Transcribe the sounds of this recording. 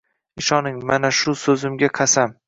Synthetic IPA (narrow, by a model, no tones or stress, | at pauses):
ɪʃɒnɪŋmanaʃʊsɵzɪmɡʲaqʰɑsam